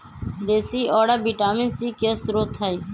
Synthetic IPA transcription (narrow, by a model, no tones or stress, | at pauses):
d̪eːsiːʔɔːɽaːbiːʈaːmẽːsiːkeːsɾoːt̪ʰaːiː